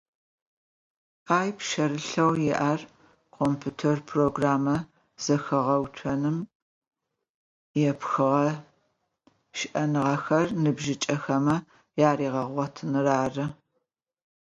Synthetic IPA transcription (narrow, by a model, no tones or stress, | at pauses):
aːjpʃɐɾɨɬɐwjɪʔaːr | qʰoːmpʰuːtʰerpʰroɡraːmɐ | z̥ɐxɨʁɐwt͡ʃʷʰɐnɨm | jɛpxɨʁɐ | ʃɪʔɐnɨʁɐxɐrnɨbʒɪt͡ʃʼɐxɐmɐ | jaːriːʁɐʁʷɔtʰnɨraːrɨ